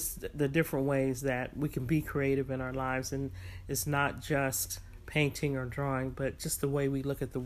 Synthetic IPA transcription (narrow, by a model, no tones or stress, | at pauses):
sðɨdɪfɹɨ̃nʔweɪzðɨt̚wikʰɨ̃n̩bikʰɹ̥ieɪɾɨvɨ̃ɾ̃aʊə˞laɪvzɨ̃nɨtsnət̚d̥ʒ̥ʌst̚ | pʰẽɪ̃ntʰɪ̃ŋə˞dɹɔɪ̃ŋbʌt̚d̥ʒ̥ʌst̪̚ðəweɪwilʊkɨt̪̚ðə